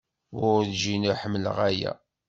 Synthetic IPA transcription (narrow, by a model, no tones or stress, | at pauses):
wʊɾʒinʊħəmːlə̰ʁæjæ̰